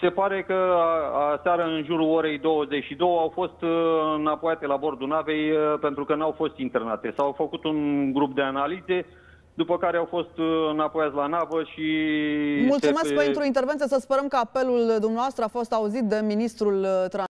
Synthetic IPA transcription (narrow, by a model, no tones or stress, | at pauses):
se̞paɾe̞kəasaɾəɨnʒuɾuo̞ɾe̞jd̪o̞wəze̞t͡ʃʃid̪o̞wəawfo̞st̪napojat̪e̞labo̞rd̪unave̞jpent̪ɾukənawfo̞st̪int̪e̞rnat̪e̞sawfəkut̪unɡɾup̚d̪e̞analize̞ | d̪upəkaɾeawfo̞st̪napo̞jat̪slanavəʃi | mult̪ssumekpent̪ɾuint̪e̞rve̞nt̪ijesəspeɾəmkəape̞luld̪umneavast̪ɾəafo̞st̪auzit̪̚d̪e̞minist̪ɾult̪ɾa